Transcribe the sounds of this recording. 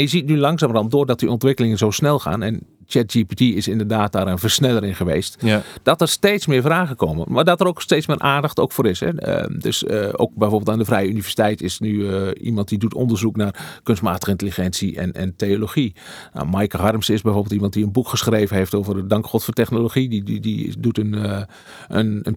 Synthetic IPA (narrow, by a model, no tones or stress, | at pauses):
njəzit̚nylɑŋsaːmrɔmdʊːrdɔt̚diɔntʋɪkəlɪŋənzoːsnɛlˠxa̰ːnɛnt͡ʃɛt̚d͡ʒipitiɪsɪndərdaːt̚daːɾənvərsnɛlˠəɾɪnχəʋeːstd̥ɔtərsteːtsmɪːɹvraːɣəkoːmə̰maːdɔtəɾoːksteːtt͡ssmɪːɾʔaːndɑxto̰wkfoːɾɪsɛ̰dø̰so̰ːk̚bɛjvoːbɪlˠtandəvrɛjəynivɛsi̥tɛjtɪsnyḭmɑnt̚diduto̰ndərzuknaːrkønstmaːtəɣəɪntəlixɛnsiɛ̰nɛ̰nteoloxia̰majkəɦɑrmsɪsbɛjfoːbəlˠtimɑnt̚diənbukχəsxreːvənheftoːvərdɑŋkxɔtfoːtɛxnoloxiidḭdutən | ənən